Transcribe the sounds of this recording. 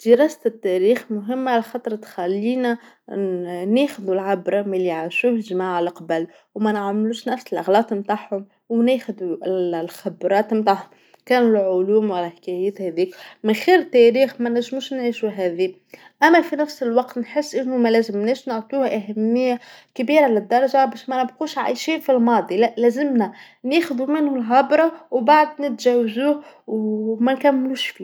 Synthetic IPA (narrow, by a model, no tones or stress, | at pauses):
d̪̥əɾɑːsɪt̪ːæɾiːxmʊɦɪmːaʕalæxɑːt̪ˤɾˤɑt̪xælːiːnæ | næːxʊðulʕabɾˤɑmæliʕaʃuːhlʒmaːʕalaqɑbæl | wmænʕamluːʃnæfsɪlʔæɣlɑːt̪ˤmt̪aʕħhʊm | wnæːxʊðulxabɾˤɑːt̪mt̪aːʕhʊm | kæːnɪlʕʊluːmwalæħkæjæːt̪hæðiːkmɪnxiːɾt̪ːæɾiːxmænæʒmuːʃnʕiːʃuɦæːði | ʔæmːæfinæfsəlwɑqt̪nħɪsːʔɪnːʊmælæːzəmnæʃnʊʕt̪ˤuːhʔæɦæmːɪjːakbiːɾalɪd̪ːɑɾˤɑʒabæːʃmænəbquːʃʕa̰jʃifilmɑːd̪ˤilæːzɪmnæ | neːxʊðumɪnhʊmlxɑbɾˤɑwbaʕd̪nɪt̪ʒæwzuːhwmænkæmːluːʃfiː